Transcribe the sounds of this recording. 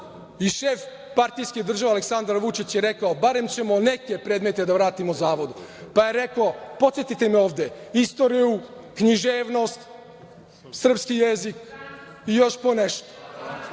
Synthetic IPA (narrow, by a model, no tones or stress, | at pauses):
iʃeːf | paɾt̪ijskid̪r̩ʒaʋealeksand̪ɾaɾʋut͡ʃit͡ɕjeɾe̞kaobaɾe̞mt͡ɕe̞mo̞neke̞pɾeːd̪me̞t̪e̞d̪aʋɾaːt̪imozaːʋo̞d̪upaje̞ɾe̞kopo̞t̪sjet̪it̪emeo̞ːʋd̪e̞ist̪o̞ɾiju | kɲiʒeːʋno̞st̪ | sr̩pskijezik | ijo̞ʃponeʃt̪o̥